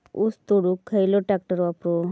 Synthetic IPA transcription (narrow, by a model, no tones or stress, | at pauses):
ust̪oɽukʰːəjloʈak̚ʈəɾapɾo